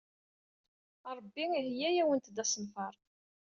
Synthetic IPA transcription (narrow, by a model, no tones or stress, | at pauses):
ɾˤəbːiihjæjæwənt̪d̪æsənfɑɾˤ